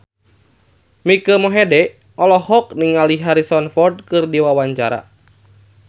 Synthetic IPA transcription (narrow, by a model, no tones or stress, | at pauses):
mikəmɔɦɛdɛ | ʔɔlɔhɔk̚niŋaliɦaɾisɔnfɔrd̚kɨrdiwawaɲt͡ʃaɾa̰